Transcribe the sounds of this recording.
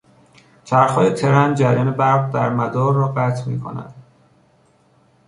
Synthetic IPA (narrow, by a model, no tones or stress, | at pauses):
t͡ʃʰæɾxɒːjet̪ʰe̞ɾænd͡ʒæɾjɒːnebæɾɢd̪æɾmæd̪ɒːɾːɒːɢæt̪ʰmḭːkʰo̰næ̰d̪̥